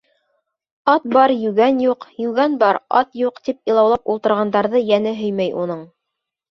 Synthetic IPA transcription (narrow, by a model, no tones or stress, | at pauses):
ɑt̪̚bɑɾjʉɣænjuqjʉɡænbɑɾɑ̰t̪juqt̪ipilˠɑwlˠɑpulˠt̪ɤ̆ɾʁɑnd̪ɑɾðɤjænɘɦɵjmæjʔunɤɴ